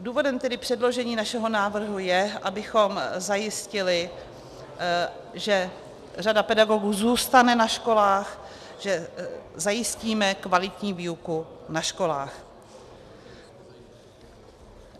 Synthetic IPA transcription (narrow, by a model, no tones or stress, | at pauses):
duːvo̞dɛmt̪ɛdɪpr̥ɛdlo̞ʒɛɲiːnaʃɛɦo̞naːvr̩ɦujɛʔabɪxo̞mzajɪscɪlɪ | ʒɛ | radapɛdaɡo̞ɡuːzuːst̪anɛnaʃko̞laːx | ʒɛzajɪsciːmɛkvalɪt̪ɲiːviːukunaʃko̞laːx